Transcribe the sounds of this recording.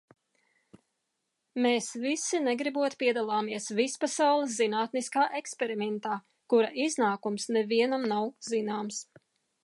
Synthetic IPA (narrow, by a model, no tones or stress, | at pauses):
meːsvisinɛɡɾibuɔt̪piɛd̪alˠaːmiɛsvispasawlˠɪs̬zinaːt̪niskaːʔekspɛɾimɛnt̪aː | kuɾaʔiznaːkumsnɛviɛnamnawzinaːms